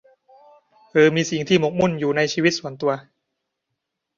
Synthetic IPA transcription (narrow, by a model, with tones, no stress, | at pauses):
ʔɤː˧miː˧si˨˩˦ŋt̪ʰiː˥˩mo˨˩˥k̚mu˥˩njuː˨˩na˧jt͡ɕʰiː˧wi˦˥t̪̚su˨˩˦ənt̪u˧ɐ